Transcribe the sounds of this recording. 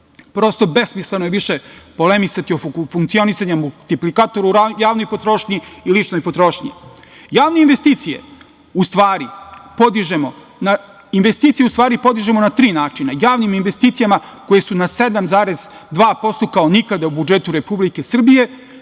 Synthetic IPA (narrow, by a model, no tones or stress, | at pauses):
pɾo̞ːst̪o̞be̞smislˠenojeʋiʃepo̞lemisat̪iofuŋkt̪sijo̞nisaɲamult̪iplikaːt̪oɾuajaːʋnojpot̪ɾoʃɲiilit͡ʃnojpot̪ɾo̞ʃɲḭ | jaːʋneinʋest̪iːt̪sije̞̰ | ust̪ʋaːɾipo̞d̪iʒemo | na | inʋest̪iːt̪sijeust̪ʋaːɾipo̞d̪iʒemo̞nat̪ɾiːnaːt͡ʃinajaːʋniminʋe̞st̪it̪sijamako̞jesunased̪amzaːɾez | d̪ʋaːpo̞st̪okaonikad̪aubud͡ʒet̪uɾe̞publike̞sr̩bije̞